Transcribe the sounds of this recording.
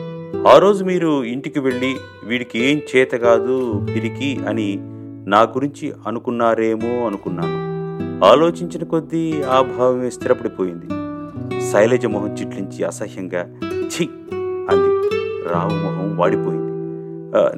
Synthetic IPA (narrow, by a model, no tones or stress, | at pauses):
aːɾo̞ːd͡ʒumiːɾuiɳʈikiʋe̞ɭːi | ʋiːɽikieːmt͡ʃɛːt̪ɐɡaːd̪ud̪iɾikiɐni | naːɡuɾiɲt͡ʃiɐnukunːaːɾeːmoːɐnukunːaːmuaːlo̞ːt͡ʃiɲt͡ʃinɐko̞d̪ːiaːbʱaːʋɐmst̪ʰiɾɐpɐɽipo̞ːjind̪i | sɐjleːd͡ʒɐmɐɦɐmt͡ʃiʈliɲt͡ʃiɐ̰sɐhjɐŋɡaːt͡ʃej | ɐniɾaːʋɐmɔɦɐmʋaːɽipo̞ːjind̪i